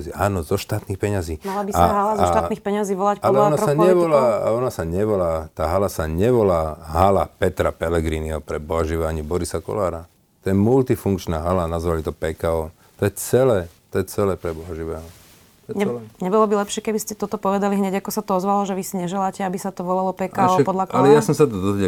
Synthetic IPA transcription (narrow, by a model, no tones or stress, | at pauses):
ziːaːnɔzɔʃt̪aːt̪niːxpɛɲaziːmalabisaaɦalazaʃt̪anixpɛɲaziːʋɔlacpaɔɛɔanassaɲɛʋɔlaɔnasaɲɛʋɔlaːt̪aːɦalasaɲɛʋɔlaːɦalapɛt̪ɾapɛlɛɡɾiːniɦɔpɾɛbɔɦɔʒiʋɛaɲibɔɾisakɔ̰laːɾa | t̪ɔjɛmult̪ifuŋkt͡ʃnaːɦalanazʋalit̪ɔpɛkaɔ | t̪ɔjɛt͡sɛlɛːt̪ɔjɛt͡sɛlɛːpɾɛbɔɦɔʒiʋɛːɦɔ | ɲɛɲɛbɔlɔbilɛpʃɪɛkɛbiscɛt̪ɔt̪ɔpɔʋɛd̪aliɦɲɛɟakɔsat̪ɔɔzʋalɔʒɛʋisiɲɛʒɛlaːcɛabisat̪ɔʋɔlalɔpɛkaɔpɔd̪lakalɛjasɔmsat̪̬ɔd̪ɔzʋɛ